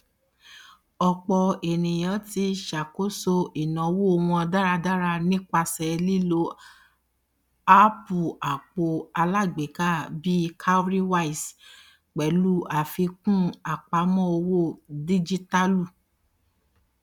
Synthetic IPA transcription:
ɔ˧k͡pɔ˧e˨nĩ˨j̃ã˨˦ti˧˦ʃa˨ko˦so˧i˨nã˨˦wo˦o˧w̃ɔ̃˧a˧da˦ɾa˧da˦ɾa˧nĩ˦k͡pa˧sɛ˨˧li˦˨lo˦ | a˦pu˨a˨k͡po˧a˧la˦˨ɡ͡be˨˦ka˦˨bi˦kʰa˦ɾi˦wa˦i˨s | k͡pɛ˨˦lu˦a˨fi˧kũ˦a˨k͡pa˨˦mɔ̃˦o˧wo˦˨di˦d͡ʒi˦ta˦lu˦˨

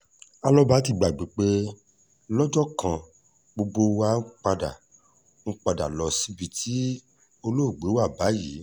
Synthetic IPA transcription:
a˧lɔ˦ba˦ti˦˧˨ɡ͡ba˨ɡ͡bi˨˦k͡pe˦ | lɔ˦d͡ʒɔ˦kã˧ | ɡ͡bo˧ɡ͡bo˧wa˦k͡pa˧da̰˨ | ŋ̩˦k͡pa˧da̰˨lɔ˧˨si˨˦bi˧tʰi˦ | o˧lo˦˨ɡ͡be˨˦wa˦˨ba˨˦ji˨˦

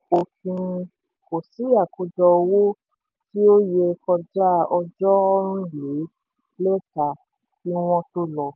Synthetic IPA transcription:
o˨fĩ˧ | ko˨si˨˦a˦˨ko˨˦dɔ˧wo˦ | ti˦o˦je˧kɔ˧d͡ʒa˦ɔ˧d͡ʒɔ˦ɔ˦ɾ̃ũ˦je˨˦ | lo˦ta˧˨ | nĩ˦w̃ɔ̃˦to˦lɔ˦˧

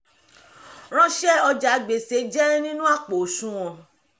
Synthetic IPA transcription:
ɾ̃ã˧ʃɛ˦˨ɔ˧d͡ʒa˨˦ɡ͡be˨se˨˦d͡ʒɛ˦ɾĩ˦nĩ˦nũ˦a˦˨k͡po˨ʃũ˦w̃ɔ̃˧

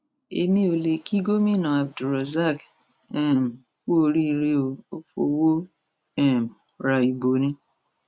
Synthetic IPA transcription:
ḛ˧mĩ˧˦o˨le˨ki˦ɡo˦mĩ˦˨nã˨a˨b̚du˨ɾɔ˨za˦˨k | ɛ˦˨m˨ | ku˦o˧ɾi˦˧ɾe˧o˨o˦fo̰˧wo˦ | ɛ˦˨m˨ | ɾa˧i˨bo˨nĩ˧˦

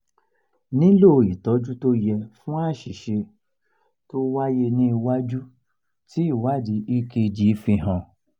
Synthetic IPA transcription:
nĩ˨˦lo˦˨i˨tɔ˨˦d͡ʒu˦to˦jɛ˧fũ˦a˦˨ʃi˨ʃe˧ | to˦wa˦je˧nĩ˦i˧wa˦d͡ʒu˦ | ti˦i˦˨wa˦˨di˨˦i˦˧ke˧d͡ʒi˨˦fĩ˧ɦã˧˨

